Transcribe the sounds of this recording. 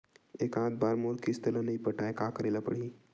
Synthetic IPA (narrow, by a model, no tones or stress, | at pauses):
eːkãːt̪̚baːɾmoːɾkist̪əlanɐipəʈaːekaːkəɾeːlapɐ̰ɽi